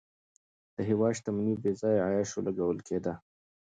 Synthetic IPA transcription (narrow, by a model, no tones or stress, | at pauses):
d̪̥əɦɪwɑʃt̪amnibezɑjajɑʃolaɡawəlkʰed̪a